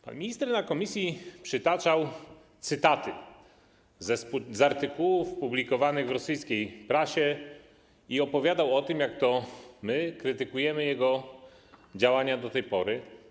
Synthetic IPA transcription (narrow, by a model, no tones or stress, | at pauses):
pa̰nmʲiɲist̪ɛɾnakɔmʲisʲjipʂɘt̪at͡ʂaw | t̪sɘt̪at̪ɘ | zɛszaɾt̪ɘkuwufɔpublʲikɔvanɘɣvɾɔsɘjskʲejpɾaɕɛ | iɔpɔvʲjad̪awɔt̪ɘmjakt̪ɔmɘkɾɘt̪ɘkujɛmɘjɛɡɔ | d͡ʑawaɲad̪ɔt̪ɛjpɔɾɘ